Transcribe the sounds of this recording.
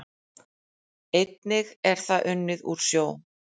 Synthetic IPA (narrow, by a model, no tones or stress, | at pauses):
ejt̪nɪɣɛɾ̥θaʔʏnːɪðṵɾ̥sjoːw